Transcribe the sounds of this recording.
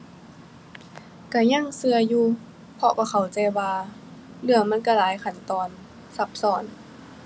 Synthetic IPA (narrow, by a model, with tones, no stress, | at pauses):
ka˧˩ɲa˧˥˨ŋsɯ˧ɐjuː˧ | pʰɔ˧ka˧˩kʰa˨˩wt͡ɕa˧jwaː˧ | lɯ˧˩əŋma˧˥˨nka˧˩laː˨˦jkʰa˧˩nt̪ɔː˧n | sa˧˦p̚sɔː˨˩˦n